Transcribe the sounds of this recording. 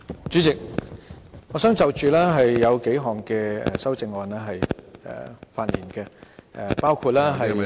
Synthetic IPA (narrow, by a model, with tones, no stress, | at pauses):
t͡ʃyː˨˥t͡sɪ˨k̚ | ŋɔː˨˧sœː˨˥ŋt͡sɐ˨wt͡ʃyː˨lɛː˥ɦɐ˨jːɐ˨˧wke˨˥jɦɔː˨˩ŋkɛː˧ɛ̰˨sɐ˥wt͡sɪ˧ŋɔː˨nɛː˥ɦɐ˨jɛ̰ː˨˩faː˧t̚jiː˨˩nkɛː˧ʔɛ˨˧paː˥wkʰuː˧t̚laː˥ɦɐ˨j